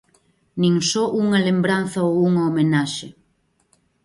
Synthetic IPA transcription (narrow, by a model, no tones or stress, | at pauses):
nĩŋsɔʔuŋɐlembɾanθɐowuŋɐomenaʃe